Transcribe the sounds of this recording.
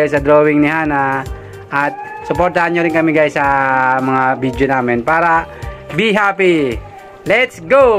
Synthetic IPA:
jsɐd̪ɾowɪŋnɪhaːna | ʔɐt̪̚ | sʊpoɾt̪ɐhanɲoɾɪnkɐmɪɡajsɐmɐŋabid̪jonaːmɪnpaːɾɐbiɦapi | lɛt̪sɡo

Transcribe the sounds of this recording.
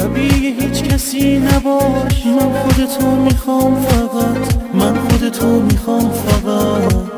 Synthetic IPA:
æbiːjeɦiːt͡ʃcʰæsiːnæbɒːʃmænxod̪et̪ʰomiːxɒːmfæɢæt̪ʰmænxod̪et̪ʰomiːxɒːmfæɡæ

